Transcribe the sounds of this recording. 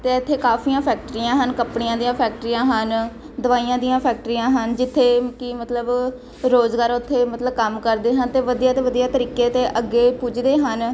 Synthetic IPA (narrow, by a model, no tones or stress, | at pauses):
t̪eːɪt̪ʰːeːkaːpʰiːãːpʰɛːk̚ʈɾiːãːɦənkəpɳijãːd̪ijãːpʰɛːk̚ʈɾijãːɦən | d̪əʋaːijãːd̪ijãːpʰɛːk̚ʈɾiːãːɦənd͡ʒɪt̪ʰːeːkɪmət̪ləb | ɾoːzɡaːɾʊt̪ʰːeːmət̪ləbkəmkəɾd̪eːɦənt̪eːʋəd̪ijaːt̪eːʋəd̪ijaːt̪əɾiːkeːt̪eːʔəɡːeːpʊd͡ʒd̪eːɦən